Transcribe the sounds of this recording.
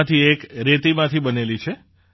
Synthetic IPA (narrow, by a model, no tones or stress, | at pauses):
t̪ʰiekɾet̪imãt̪ʰibənelit͡ʃʰe